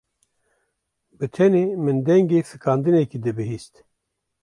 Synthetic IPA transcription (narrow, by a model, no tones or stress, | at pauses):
bɨt̪ʰɛneːmɨnd̪ɛŋɡeːfɨkʰɑːnd̪ɨnɛkid̪ɨbɨɦiːst̪